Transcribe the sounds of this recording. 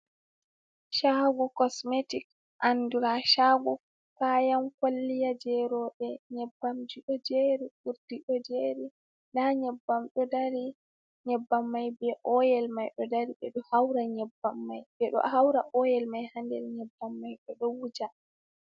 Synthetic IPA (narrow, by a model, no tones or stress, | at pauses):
ʃaɡɔkɔsmetik | ʔanduɾaʃaɡɔ | kaːjamkalːijad͡ʒɛɾɔɗɛɲɛbːamd͡ʒiɗɔd͡ʒeɾiʔuɾdiɗɔd͡ʒeɾi | naɲɛbːamɗɔdaɾi | ɲɛbːamːajbɛʔɔjɛlmajɗɔdaɾiɗɛɗɔhawɾaɲɛbːamːajbɛɗɔ̰hawɾaʔɔjɛlmajhandɛ̰ɾɲɛbːamːajɗɔɗɔwud͡ʒa